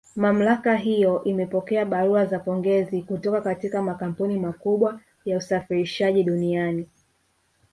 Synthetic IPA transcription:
mam̩lakaɦijɔʔimɛpɔkɛaɓaɾuazapɔŋɡɛzikutɔkakatikamakam̩punimakuɓwa | jausafiɾiʃaʄiɗuniani

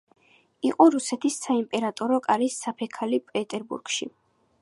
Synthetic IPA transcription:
iqʼɔɾusɛt̪ʰisːaimpʼɛɾat̪ʼɔɾɔkʼaɾisːapʰɛkʰalipʼɛt̪ʼɛɾbṵɾɡ̥ʃi

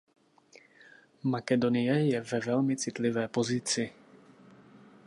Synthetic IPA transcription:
makɛdo̞nɪjɛjɛvɛvɛlmɪt͡sɪt̪lɪvɛːpo̞zɪt͡sɪ

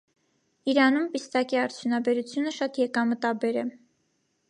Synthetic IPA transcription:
iɾɑnumpist̪ɑkiɑɾt͡sʰjunɑbɛɾut͡sʰjunəʃɑt̪jɛkɑmət̪ɑbɛɾɛ

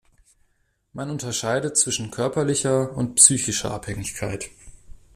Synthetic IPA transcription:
manʊntɐʃaɪdət͡sv̥ɪʃn̩kʰœɐpɐlɪçɐʊntpsyːçɪʃɐ̰ʔaphɛŋɪçkʰaɪt

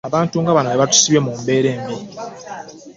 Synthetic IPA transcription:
aβaːntuŋɡaβanaβeβatu̥siβjemumbe̞ːɾe̞ːmbii

